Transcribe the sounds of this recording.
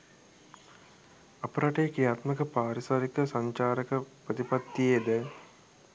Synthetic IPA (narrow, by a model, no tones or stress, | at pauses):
apəɾaʈejekejaːt̪məkəpaːɾisaɾikəsaɲt͡ʃaːɾəkəprət̪ipat̪ːijeed̪ə